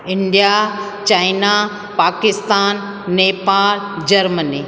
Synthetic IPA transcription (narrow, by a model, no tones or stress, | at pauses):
ɪɳɖija | t͡ɕaːɪna | paːkɪst̪aːnː | eːpaːl | d͡ʑɐɾməni